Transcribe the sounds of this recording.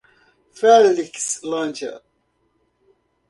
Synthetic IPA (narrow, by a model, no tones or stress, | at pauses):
fɛlɪkslɔ̃nd͡ʒə̰